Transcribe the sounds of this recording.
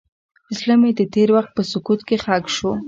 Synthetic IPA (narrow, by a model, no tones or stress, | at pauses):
ɪslɑmed̪ət̪eɾwaxt̪̚pəsʊkut̪kexakʃo